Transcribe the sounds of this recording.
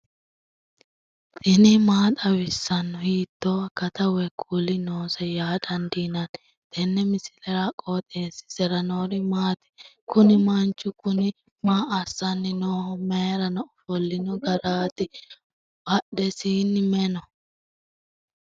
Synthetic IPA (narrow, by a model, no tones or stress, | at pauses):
t̪ɪnɪmaːt̪ʼɐwɪsːɐnːɔhiːt̪ːoːɐkɐt̪ɐwɛkʰuːlɪnoːsɛjaːd̪ɐnd̪iːnɐn | t̪ʰɛnːɛmɪsɪlɛɾakʼoːt̪ʼeːsɪ̥sɛɾɐnoːɾɪmaːt̪ɪ̥ | kʊnɪmɐnt͡ʃːʊkʊnɪ | maːʔɐsːɐnːɪnoːhɔmeɾɐnɔɔfɔlːɪnɔɡɐɾaːt̪ɪ | b̥ɐɗɛsiːnːɪmɛnɔ